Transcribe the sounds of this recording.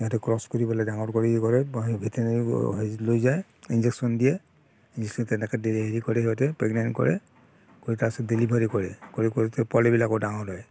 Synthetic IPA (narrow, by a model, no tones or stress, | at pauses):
ɔtɛkɹɔskoɹibɔlajdaŋɔɹkɔɹikɔɹɛbʱitɛnaɹiɦlojzajinzɛksɔndijɛ | ind͡ʒɛksɔntɛnɛkɛdelibʱaɹikɔɹɛɦiɔtɛpɹɛɡnajnkɔ̰ɹɛ̰ | koɹitasɔdelibʱaɹikɔɹɛkɔɹikɔɹitɛpɔlɛbilakɔdaŋɔdɔj